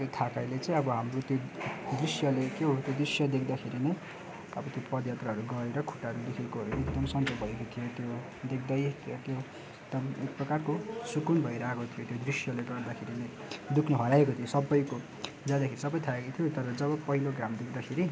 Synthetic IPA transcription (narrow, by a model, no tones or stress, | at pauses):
t̪ʰakajlet͡sãĩʌbʌɦamrot̪jod̪risjʌlekeɦot̪jod̪risjʌd̪ekʰd̪akʰeɾine | ʌbʌt̪jopʌd̪jat̪raɦʌɾuɡʌɾeɾʌkʰu̥ʈaʌɾulekʰekoɦʌɾuekd̪ʌmsʌnd͡zʌbʱʌekot̪ʰijot̪jo | d̪ekʰd̪ʌjt̪ot̪jo | eɡ̚d̪ʌmek̚prʌkarkosukunbʱʌiɾaekot̪ʰijot̪jod̪risjʌleɡʌrd̪akʰeɾine | d̪ukʰneɦʌɾaekot̪ʰijosʌbːʌjko | d͡zãd̪akʰeɾisʌbʌjt̪ʰaekot̪ʰijot̪ʌɾʌd͡zʌbʌpʌɦiloɡramd̪ek̚ʰd̪akʰeɾi